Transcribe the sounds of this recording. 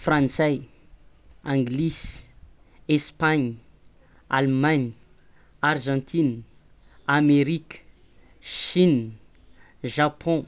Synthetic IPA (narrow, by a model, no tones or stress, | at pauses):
frãnsɛj | ãŋɡlis | espaɲ | almaɲ | arʒɑ̃nt̪ʰin | ameɾikə̥ | ʃin | ʒapʰɔ̃